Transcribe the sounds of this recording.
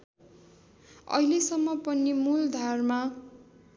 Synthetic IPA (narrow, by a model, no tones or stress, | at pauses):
ʌ̰ɦilesʌmːʌpʌnːimuld̪ʱarma